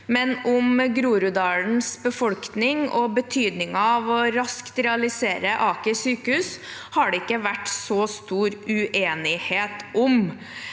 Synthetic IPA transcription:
mɛnʊmɡɾuːɾʉd̪ɑːln̩sbəfɔlk̪nɪŋɔbət̪ʰyːd̪nɪŋɑɑʋɔɾɑskt̪ɾɛɑlɪseːɾəʔɑːkəsyːkəhʉːshɑɖɛɪkːəʋæʈːsɔst̪uːɾʉʔeːnɪheːt̪ʔʊm

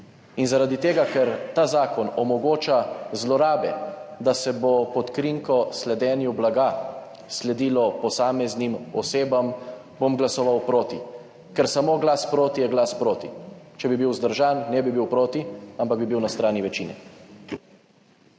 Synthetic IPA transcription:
inzaɾad̪it̪eːɡakɛɾt̪aːzaːkɔnɔmɔɡoːt͡ʃazlɔɾaːbɛd̪asɛbopɔt̪kɾiŋkɔslɛd̪ɛːnjublaɡa | slɛd̪iːlɔpɔsaːmɛznimɔseːbam | bomɡlasɔʋawpɾoːt̪i | kɛɾsamoːɡlaspɾoːt̪ijɛɡlaspɾoːt̪it͡ʃɛbibiwzd̪əɾʒaːnːɛbibiwpɾoːt̪iampaɡ̚bibiwnast̪ɾaːniʋɛt͡ʃiːnɛ̰

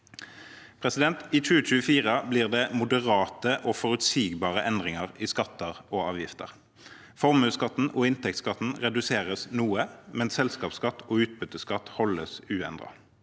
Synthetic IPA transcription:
pʰʁɛsɪd̪ɛnt̪iːt͡ʃʉːət͡ʃʉːəfiːʁəbliːʁd̪ɛːmʊd̪əʁɑːt̪əʔoːfɔʁʉt̪siːɡbɑːʁəʔɛnd̪ʁɪŋəʁiːskɑt̪ʰːəʁoːɑːʋjɪft̪ə̰ʁ | fɔʁmʉːskɑt̪n̩ɔɪnt̪ʰɛk̚t̪skɑt̪n̩ʁɛd̪ʉseːʁəsnuːəmɛnsɛlskɑːpskɑt̪ːʰoːʉːt̪̚bʉt̪ːəskɑt̪hɔlːəsʉːɛnd̪ʁɑ̰

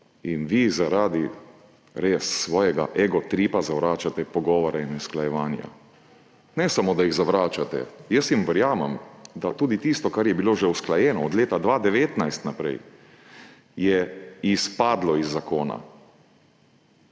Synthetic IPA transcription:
inʋizaɾaːd̪i | ɾeːsːʋɔːjɛɡa̰ʔɛɡɔt̪ɾipazaʋɾaːt͡ʃat̪ɛpɔɡɔːʋɔɾainusklajɛʋaːnja̰ | nɛsamod̪ajiɣzaʋɾaːt͡ʃat̪ɛ̰jəsjimʋɛɾjaːmɛmd̪at̪uːd̪it̪ist̪ɔkaɾjɛbiloːʒɛusklajɛːnɔːd̪leːt̪ad̪ʋaːd̪ɛʋeːt̪najst̪napɾɛ̰j | jɛispaːd̪lɔizːakoːna̰

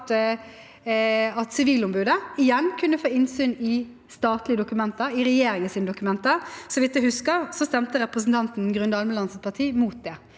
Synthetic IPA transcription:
t̪ | ɑt̪sɪʋiːlʊmbʉːd̪əɪjɛnːkʰʉnːəfoːɪnsyːnɪ | st̪ɑːt̪lɪəd̪ʊkʉmɛnt̪əɾɪɾɛjeːɾɪŋɪsiːnəd̪ʊkʉmɛnt̪əɾsɔʋɪt̪d̪ʉhʉskəɾsɔst̪ɛmt̪əɾɛpɾəsn̩t̪ʰɑnt̪n̩ɡɾʉnd̪ɑlməlɑnsət̪pʰɑʁt̪ʰiːmuːt̪̚d̪ɛ

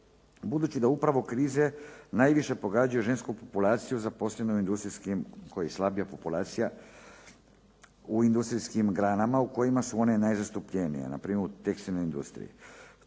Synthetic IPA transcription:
bud̪uːt͡ɕid̪aupɾaʋo̞kɾiːzenajʋiʃe̞po̞ɡaːd͡ʑujuʒe̞nskupopulˠaːt̪sijuzapo̞slenouind̪ust̪ɾiskimkojajeslˠabijapopulˠaːt̪sija | uind̪ust̪ɾiskimɡɾaːnamauko̞jimasuo̞ne̞najzast̪upʎenḭjḛna̰pɾiːmeɾut̪ekst̪ilno̞jind̪ṵst̪ɾḭjḭ

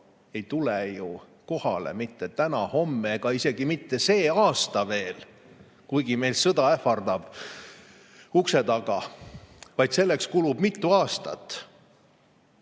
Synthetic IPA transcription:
e̞jt̪uleju | ko̞hɑlḛmit̪ːet̪ænɑho̞mːeeɡ̥ɑise̞ɡ̥imit̪ːe̞se̞ːɑːst̪ɑve̞ːl | kujɡime̞jlsɤd̪ɑefɑrd̪ɑb̥ | ukse̞t̪ɑɡ̥ɑ | vɑjd̪̥se̞lːekskulubmit̪ːuɑːst̪ɑ̰t̪ːˑ

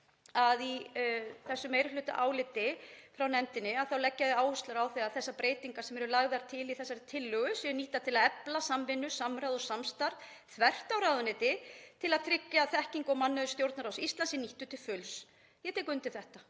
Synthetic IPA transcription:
aði | θɛsːʏmejɾʏlʏːt̪a̰ʔaːwlɪt̪ɪfɾawnɛnt̪ɪnɪaðθawlɛcːaðɪaːwhʏst̪laɾawθɛaðθɛsːapɾeːjt̪iŋkasɛmɛɾʏlaɣðaɾ̥t̪ʰɪliθɛsːaɾɪt̪ʰɪlːʏɣʏsjɛniht̪at̪ʰɪlaðɛplasamvɪnːʏsamɾaðɔsamst̪aɾð | θʰvɛr̥t̪awɾawðʏnɪːt̪ɪt̪ʰɪlaðt̪ʰɾɪcːaθɛhciŋkɔmanːʏðʏst̪jowɾt̪naɾawsist̪lansɪniht̪ʏt̪ʰɪlfʏls | jɛt̪ʰeːkʏnt̪ɪθɛht̪a

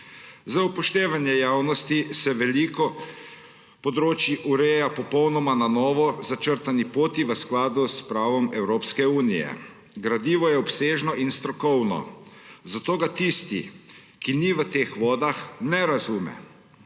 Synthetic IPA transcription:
zaupɔʃt̪eːʋanjɛjaːwnɔst̪isɛʋɛlikɔ | pɔd̪ɾoːt͡ʃjiʔuɾɛːjapɔpɔwnɔmananɔːʋɔzat͡ʃəɾt̪anipoːt̪iʋəsklaːd̪uspɾaːʋɔmɛwɾoːpskɛuːnijɛ̰ | ɡɾad̪iːʋɔjɛɔpseːʒnɔʔinst̪ɾɔkɔwnɔ̰ | zat̪oːɡat̪ist̪ḭ | kiniʋət̪eːxʋɔːd̪axnɛɾazuːmɛ̰

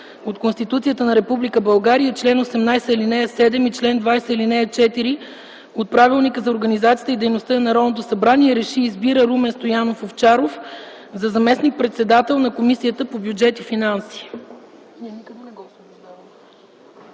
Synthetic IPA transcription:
ot̪konst̪it̪ut̪sijət̪ənɐɾɛpublikəbɐlˠɡaɾijət͡ʃlɛnosɛmnajsəilinɛɛsɛd̪ɛmit͡ʃlɛnd̪vajsəilinɛɛt͡ʃɛt̪iɾi | ot̪̚pɾavilˠnikəzɐoɾɡɐnizat̪sʲijət̪id̪ɛjnost̪ənɐɾɔd̪not̪̬osɐbɾaniɛɾɛʃiːzbiɾəɾumɛnst̪ojanofoft͡ʃaɾof | zɐzɐmɛsnik̚pɾɛt̪sɛd̪at̪ɛlˠnɐkomisijət̪əpobʲjud͡ʒɛt̪ifinansi̥ː | niɛnikəɡ̪ɐnɛɡɔs | zb̪av

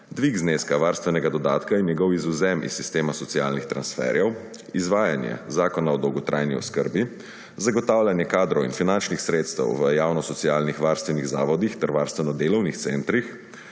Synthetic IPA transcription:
d̪ʋiɡzneːskaʋaːɾst̪ʋɛnɛɡad̪ɔd̪aːt̪kainjɛɡɔwizuzɛmḭsːist̪eːmasɔt̪sijaːlnixt̪ɾansfɛ̰ɾjɛw | izʋaːjanjɛ̰zaːkɔnaɔd̪ɔwɡɔt̪ɾʔajniɔ̰skəɾbi | zaɡɔt̪aːwlanjɛkaːd̪ɾɔwḭnfinant͡ʃnixsɾeːt̪st̪ɛ̰wʋəjaːwnɔsɔt̪sijaːlnixʋaːɾst̪ʋɛniɣzaːʋɔd̪ixt̪ɛɾʋaːɾst̪ʋɛnɔd̪eːlɔwnixt̪sent̪ɾix

